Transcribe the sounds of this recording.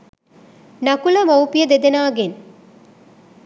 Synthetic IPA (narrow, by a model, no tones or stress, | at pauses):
nɐkulɐmɐwpijɐd̪ed̪ɐnaːɡen